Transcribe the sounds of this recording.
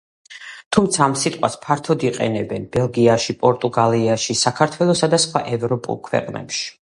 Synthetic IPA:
t̪ʰumt̪sʰaːmsit̪ʼqʼwa̰spʰaɾt̪ʰɔd̪iqʼɛ̰nɛbɛnbɛlˠɡiaʃipʼɔɾt̪ʼuɡaliaʃisakʰaɾt̪ʰwɛlˠɔsad̪asχwaʔɛvɾɔpʼṵlˠkʰwɛ̰qʼnɛ̰pʃi̥

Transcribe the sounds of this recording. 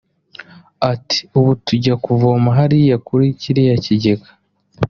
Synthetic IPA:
ati̥uβutuɟakuvomaɦaɾijakuɾiciɾijaciɟeɡḁ

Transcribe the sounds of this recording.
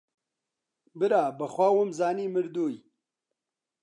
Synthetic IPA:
bɨɾaːbɐxwaːwomzaːniːmɨɾd̪oːj

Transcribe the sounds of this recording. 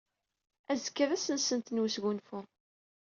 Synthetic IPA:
æzə̥kːəɾæsənsənt̪nwusɡunfʊ

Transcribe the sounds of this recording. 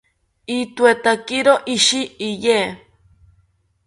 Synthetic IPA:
it̪wet̪akiɾoʔiʃiːjeː

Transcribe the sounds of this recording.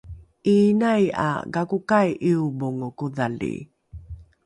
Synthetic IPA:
ʔiːnaja̰ɡakukajʔiuboŋokuðalḭ

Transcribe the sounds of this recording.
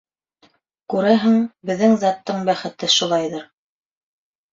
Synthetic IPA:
kʉɾæɦɘŋbɘ̆ðːɘŋzɑt̪ːɤɴbæχɘ̆t̪ɘʃulˠɑjðɤɾ

